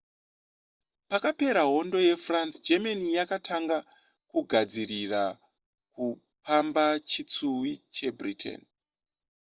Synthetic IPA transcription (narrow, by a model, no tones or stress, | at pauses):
pakape̞ɾaɦo̞ndo̞je̞fransd͡ʒemanijakatʰaŋɡa | kuɡʱad͡zirira | ku | pambat͡ʃit͡suwit͡ʃe̞britʰḛn